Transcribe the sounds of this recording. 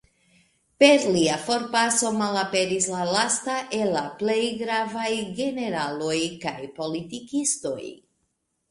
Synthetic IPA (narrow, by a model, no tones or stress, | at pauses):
pe̞ɾliafo̞ɾpaso̞malape̞ɾislalastaʔelːaple̞jɡɾavajɡe̞ne̞ɾalo̞jkajpo̞litikisto̞̰j